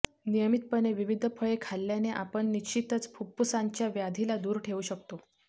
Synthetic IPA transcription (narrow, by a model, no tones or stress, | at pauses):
nijəmit̪̚pəneʋiʋid̪ʱpʰəɭekʰalːjaneʔapəɳːit͡ɕit̪ət͡spʰupːusaɲt͡ɕjaʋjad̪ʱilad̪uːɾʈʰeuːɕək̚t̪o